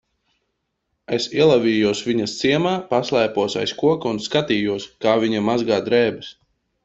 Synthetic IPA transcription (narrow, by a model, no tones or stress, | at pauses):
esiɛlˠaviːjuɔsvʲiɲɐst̪siɛmaːpaslˠɛjpuɔsa̰jskuɔkaunskat̪iːjuɔskaːviɲamazɡaːd̪ɾɛːbɨs